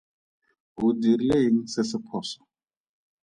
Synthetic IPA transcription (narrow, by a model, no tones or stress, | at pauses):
ɦudiɾileɦiŋ̩sɪsɪpʰɔːsɔ̥